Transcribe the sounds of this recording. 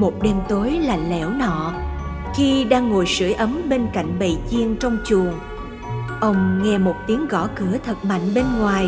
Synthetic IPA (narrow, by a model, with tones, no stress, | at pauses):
mo˨˩t̚ɗe˧mt̪o˨˦jlaː˨˩lɛ̰˧˩˥wnɔ̰˧˨ | xi˧ɗaː˧ŋːo˨˩jsɨ̰˧˩əjʔə˨˦mɓe˧nka̰˧˨jŋ̟ɓə̰˧˨jzi˧əŋt͡ɕɔ˧wŋ͡mt͡ɕu˨˩əŋ | ʔə˧wŋ͡mŋɛ˧mo˨˩t̚t̪i˨˦əŋɣɔ˧˩kɨ˧˩ət̪ʰə˨˩t̚ma̰˧˨jŋ̟ɓe˧nŋwaː˨˩j